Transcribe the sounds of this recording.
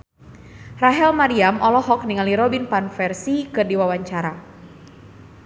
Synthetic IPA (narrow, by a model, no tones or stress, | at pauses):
raɦɛlmaɾiamʔɔlɔɦɔk̚niŋaliɾɔbinpanfɛrsikɨrdiwawaɲt͡ʃaɾa